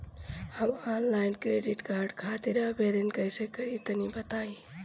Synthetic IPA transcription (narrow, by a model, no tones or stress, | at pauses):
həmɔnlaɪnkɾeɖiʈkaɾɖkʰat̪iɾabʱeɾenkəjsekəɾit̪ənibət̪ai